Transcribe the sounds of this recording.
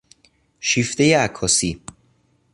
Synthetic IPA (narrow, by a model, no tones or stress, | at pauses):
ʃiːft̪e̞jeækʰːɒːsiː